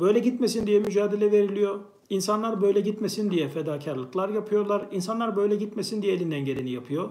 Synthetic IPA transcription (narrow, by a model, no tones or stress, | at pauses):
b̥ø̞jlʲɛɟit̪mesind̪ijɛmyd͡ʒaːd̪elʲɛveɾilʲijo̞ | insanlˠaɾbø̞jlʲɛɟit̪mesind̪ijɛfɛd̪aːcʰaɾlˠɯklˠaɾjapʰɯjo̞ɾlˠaɾinsanlˠaɾbø̞jlʲɛɟit̪mesind̪ijɛːlʲind̪ænɟeɾinijapʰɯjo